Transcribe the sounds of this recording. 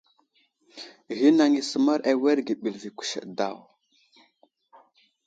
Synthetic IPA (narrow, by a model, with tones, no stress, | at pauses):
ɣi˦na˨ŋi˨sə˨ma˦ɾʔa˨we˦ɾɡi˨ɓi˨lvi˨kʷu̥˨ʃə̰˨da̰˦˨w